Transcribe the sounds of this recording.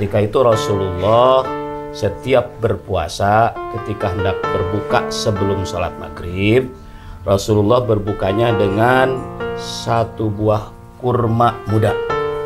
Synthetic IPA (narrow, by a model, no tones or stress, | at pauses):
t̪ikait̪uɾɔsululːɔhsət̪iap̚bərpua̰sakət̪ikaɦəndak̚bərbukasəbəlʊmsola̰t̪̚ma̰ɡɾib̚ | rɔsululːɔhbərbukaɲadəŋansat̪ubuah | kurmamuda